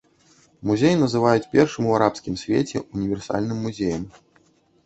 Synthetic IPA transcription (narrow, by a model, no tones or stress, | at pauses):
muzʲejinɐzɨvajut͡sʲpʲɛrʂɨmuaɾapskʲimsʲvʲḛt͡sʲɛ̰unʲivʲɛrsa̰lʲnɨmːuzʲejɐm